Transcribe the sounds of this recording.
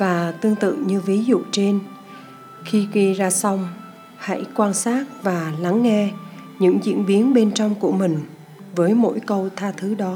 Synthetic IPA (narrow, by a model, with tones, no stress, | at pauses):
vaː˨˩t̪ɨ˧əŋt̪ɨ̰˧˨ɲɨ˧vi˨˦zṵ˧˨t͡ɕe˧n | xi˧ɣi˧zaː˧sa˧wŋ͡m | ha̰˧˥˩jkwaː˧nsaː˦˥t̚vaː˨˩la˨˦ŋːɛ˧ | ɲɨ̰˧˥ŋzḭ˧˥ənɓi˨˦ənɓe˧nt͡ɕɔ˧wŋ͡mku˧˩əmï˨˩ŋ̟ | vəː˨˦jmo̰˧˥jkə˧wt̪ʰaː˧t̪ʰɨ˨˦ɗɔ˨˦